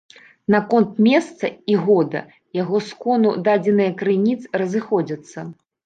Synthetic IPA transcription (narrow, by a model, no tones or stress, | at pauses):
nakɔnt̪mʲɛst̪sɐiɣɔd̪ɐ̰ | jaɣɔskɔnud̪ad͡zʲɛnɨjɐkɾɨnʲit̪srɐzɨxɔd͡zʲɐt̪sːɐ